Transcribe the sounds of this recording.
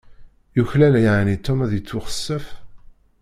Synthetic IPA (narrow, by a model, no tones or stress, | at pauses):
juçlælæjʕnit̪ːumæðjət͡sːʊχə̥sːæf